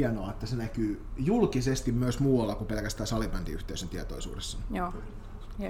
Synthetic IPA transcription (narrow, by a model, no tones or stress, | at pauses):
iænoɑet̪ːæsenækyːjulkisest̪immyøsmuːwɑlːɑkupelkæst̪æːsɑlipɑnt̪ḭyht̪eysent̪iæt̪o̰ˑisṵːdesːɑn